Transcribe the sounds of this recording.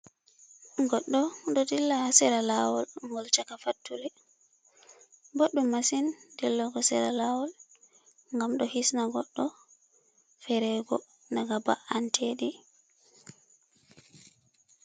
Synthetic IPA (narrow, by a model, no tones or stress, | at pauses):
ɡɔɗːɔɗɔdilːasɛɾalawɔlŋɡɔlt͡ʃakafatːulɛ | bɔɗːɔmasindɛlːɔɡɔsɛɾalawɔl | ŋɡamɗɔhisnaɡɔɗːɔ | fɛɾɛɡɔ̰ | naɡaba̰ʔantʰeɗi